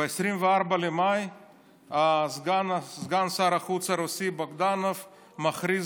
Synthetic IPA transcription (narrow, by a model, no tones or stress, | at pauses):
ajsɾimvaɾbalimaj | azɡanzɡansaɾaxut͡saɾosiboɡd̪anof | maxɾi